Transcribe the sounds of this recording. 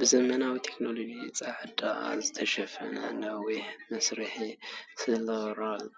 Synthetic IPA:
bɨzɐmɐnawit̪ʰe̞knolod͡ʒit͡sʼaʕɨd̪aʔzɨt̪ʰɐʃɐfɐnɐ̰lɐwiħmɐsɾiħisɨlɐɣɾalː

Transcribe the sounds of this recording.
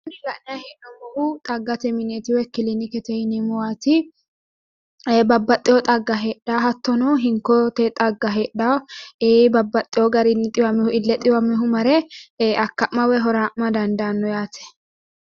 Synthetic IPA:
ɪnːɪlɐʔnɪjaheːʔnɔmɔʔʊt̪ʼɐɡːɐt̪ɛmɪnet̪ɪwɛkɪlinɪkɛt̪ɛhɪnɪmʊwaːt̪ɪ | bɐbːɐt̪ʼːɪɔt̪ʼɐɡːɐɦeːᶑaːɦɐt̪ːɔnɔɦɪŋkːɔt̪ɛt̪ʼɐɡːɐɦeːɗaeːbɐbːɐt̪ʼːɪjɔɡɐɾɪnːɪt̪ʼɪwɐmːɛhʊɪlːɛt̪ʼɪwɐmːɛɦʊmɐɾɛɐkːɐʔmɐwɛɦɔɾamɐd̪ɐnd̪anːɔjaːt̪ʰɛ̥

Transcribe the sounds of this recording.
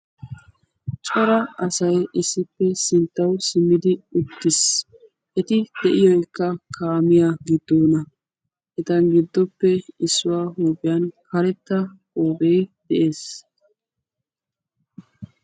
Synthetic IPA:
t͡ʃʼɔɾɐɐsɐjʔɪsːɪpːɛsɪnt̪ːɐwsɪmːɪd̪ɪʊt̪ːɪs | ʔɛt̪ɪd̪̥ɛʔɪjɔjkːɐkʰaːmɪjaɡɪd̪ːoːnɐ | ʔɛt̪ɐnɡɪd̪ːɔpːɛɪsːʊwaːhuːpɪjankɐɾɛt̪ːɐ | oːbejd̪̥ɛʔe̞ːs

